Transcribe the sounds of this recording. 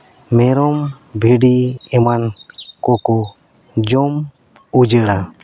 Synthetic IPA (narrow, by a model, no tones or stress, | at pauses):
mɛɾɔm | bʱiɖiɛmankɔkɔ | d͡ʒɔm | ud͡ʒəɽa